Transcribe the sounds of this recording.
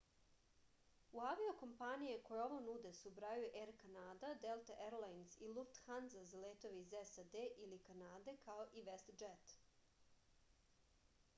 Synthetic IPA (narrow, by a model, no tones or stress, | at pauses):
uaʋioko̞mpanijeko̞jeo̞ʋonud̪esubɾajuʔeɾkanaːd̪ad̪elˠt̪aʔeɾlˠajnzilˠuft̪xanzazaleːt̪o̞ʋeizesad̪eʔilikanaːd̪e̞kaoʔiʋest̪d͡ʒet̪